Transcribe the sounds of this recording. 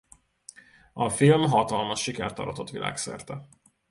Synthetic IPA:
ɒfilmɦɒt̪ɒlmɒʃːikɛrt̪ːɒ̰ɾɒt̪o̞t̪ʋilʔa̰ːksɛ̰rt̪ɛ

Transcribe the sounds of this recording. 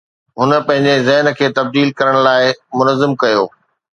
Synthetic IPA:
ɦʊnə̆pɐ̃ɦɪ̃ɲd͡ʑezɐɦnə̆kʰeːt̪ɐb̚d̪iːlkɐɾəɽ̃laːɪmʊnəzːɪmkɐjoː

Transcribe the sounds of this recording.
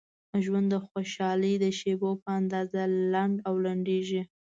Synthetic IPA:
ʒwand̪ːəxoʃɑləjd̪əʃebopəand̪ɑzalaɳɖawlaɳɖeʒi

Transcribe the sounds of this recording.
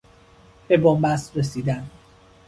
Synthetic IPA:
b̥e̞bombæst̪ɾesiːd̪æn

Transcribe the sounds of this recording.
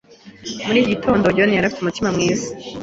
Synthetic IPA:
muɾiːɟitʰo̞ːndoɟonijaɾafi̥tumutimamŋiːzi̥

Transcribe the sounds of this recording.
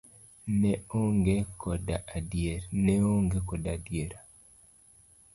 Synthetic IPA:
nɛoŋɡekɔdaadjeɾnɛoŋɡekɔdadjeɾa

